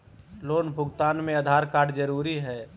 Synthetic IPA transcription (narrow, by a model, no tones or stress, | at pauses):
loːnbʱʊɡt̪aːnmẽəd̪ʱaːɾkaːɾɖd͡ʒəɾuːɾiɦɛː